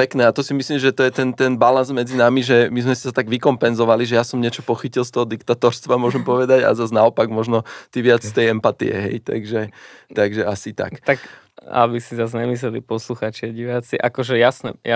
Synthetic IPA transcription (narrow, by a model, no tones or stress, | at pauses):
pɛknɛːat̪ɔsimisliːmʒɛt̪ɔjɛt̪ɛnt̪ɛnbalanzmɛd͡zinamiʒɛmizmɛsi̥sat̪aɡʋikɔmpɛnzɔʋaliʒɛjasɔmɲɪɛt͡ʃɔpɔxicilˠst̪ɔɦɔd̪ikt̪at̪ɔɾst̪ʋamʊɔʒɛmpɔʋɛd̪aɟa̰zaznaɔpaɡmɔʒnɔt̪iʋɪat͡sst̪ɛjɛmpat̪ḭɛ̰ɦɛ̰jt̪a̰ɡʒɛ | t̪aɡʒɛasit̪a̰kt̪ak | a̰bisizazɲɛmis̬lɛlipɔsluxaːt͡ʃiaɟiʋat͡siʔa̰kɔʒɛjasnɛja